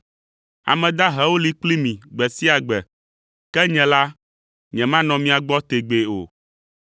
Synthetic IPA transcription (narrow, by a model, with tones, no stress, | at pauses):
a̰˨mɛ̃˨d̪a˦ɦɛ˨˦wo˦li˨k͡pli˦mĩ˨ɡ͡bɛ˨si˦a˨ɡ͡bɛ˨ | kɛ˦ɲɛ̃˨la˦ | ɲɛ̃˨mã˦nɔ̃˨mĩ˦a˨ɡ͡bɔ˦t̪e˨ɡ͡be˨o̰˨